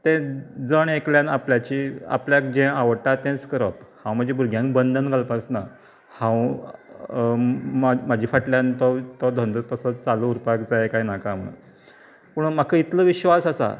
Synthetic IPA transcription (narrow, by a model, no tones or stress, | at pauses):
t̪ɛ̃d͡zəɳekljãnapljat͡ɕia̰pljakd͡ʑɛ̃aʋəʈat̪ɛ̃t͡skəɾəphãw̃m̤əd͡ʑʱibʱuɾɡʱjãŋkbənd̪ʱənɡʱalpasna | hãw | mamad͡ʑʱiːfəʈljant̪ɔt̪ɔd̪ʱə̃nd̪ət̪əsət͡st͡saluːɾpakd͡zaekainakamə̰ | pəɳmakʰəit̪ləːʋiɕʋasasa̰